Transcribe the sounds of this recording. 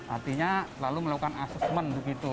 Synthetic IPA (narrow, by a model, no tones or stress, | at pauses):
ʔa̰rt̪iɲalaluməlakukanasɛsmənbəɡit̪u